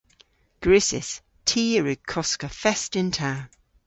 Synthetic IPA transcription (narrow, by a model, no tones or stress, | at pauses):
ɡ̥ɹɪsɪ̰s | tʰiːɹɪkʰɔskəfɛstɪ̃ntʰaː